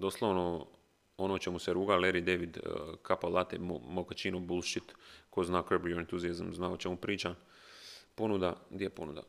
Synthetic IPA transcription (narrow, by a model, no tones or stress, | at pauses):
d̪oslˠaʋno | onot͡ʃemuseɾuːɡaleɾid̪eʋid̪kʰapalˠat̪emokat͡ʃinobulˠʃit̪koznakrbɾijoent̪uziazmznaot͡ʃemupɾiːt͡ʃan | po̞nud̪aɡd̪jeepo̞̰nṵd̪a̰